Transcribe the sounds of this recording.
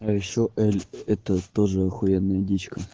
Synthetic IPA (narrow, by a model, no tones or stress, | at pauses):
ajɪɕoʔɛlʲɛt̪ət̪oʐəɐxʊenːəjədʲit͡ɕkə